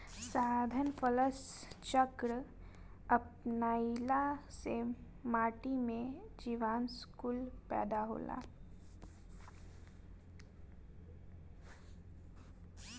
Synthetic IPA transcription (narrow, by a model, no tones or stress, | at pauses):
saːd̪ʱənfələst͡ʃəkɾə | ɐpnaːilase | maːʈimẽd͡ʒiʋaːnskuːlpɛ̰ːd̪aɦo̰ːla̰ː